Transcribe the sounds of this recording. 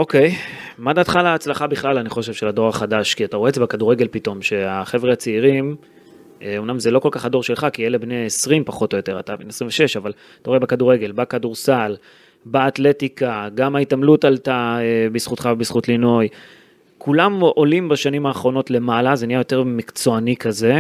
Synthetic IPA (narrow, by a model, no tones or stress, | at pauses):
o̞ke̞j | madatχalaːt͡slaχabiχlalaniχo̞ʃevʃe̞lado̞ʁaχadaʃkiataʁoezebekaduʁeɡe̞lpito̞mʃe̞aχe̞vʁeat͡siiʁim | eomnamzelo̞ko̞lkaχado̞ʁʃelχakielebneesʁimpaχo̞to̞jo̞te̞ʁa̰tabenesʁiɱveʃe̞ʃaval | taʁoebekaduʁe̞ɡe̞lbakaduʁsal | baːtle̞tikaɡamaitamlutaltaebisχutχavebisχutlinoj | kʰulamo̞limbaʃanimaːχʁo̞no̞tle̞malaze̞nijajo̞te̞ʁmikt͡so̞anikʰaze̞